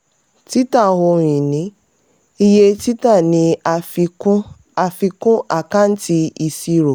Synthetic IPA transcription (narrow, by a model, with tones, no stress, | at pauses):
ti˦ta˦˨ho˧˨ɾ̃ĩ˨nĩ˨˦ | i˧je˧ti˦ta˦˨nĩ˨˦a˨f | a˨fi˧kũ˦ʔa˦˨ka˦n̩˦ti˧˦i˧si˧ɾo˨